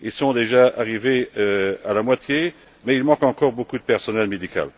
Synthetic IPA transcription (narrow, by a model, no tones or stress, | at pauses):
ilsɔ̃d̪eʒaʔaʁiveøalamwat̪je | mɛilmɑ̃kɑ̃kɔʁbokud̪əpɛʁsɔnɛlmed̪ika̰l